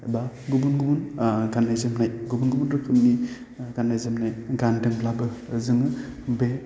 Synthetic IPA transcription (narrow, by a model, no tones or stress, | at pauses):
ba | ɡubunɡubunɡanːajzemnajɡubunɡubunɾɯkʰɯmni | ɡanːajzemnajɡandɯŋlabɯzɯŋɯbe